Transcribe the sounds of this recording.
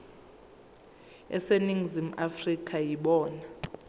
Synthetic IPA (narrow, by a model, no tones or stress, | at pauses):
ɛ̰seniŋzimafrikʰʼajiɓɔːna